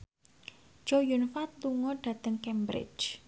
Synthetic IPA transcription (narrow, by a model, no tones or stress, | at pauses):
d͡ʒɔjunfat̪̚luŋɔɖ̥ä̤t̪əŋkɛmbɾɪ̰̥d͡ʒ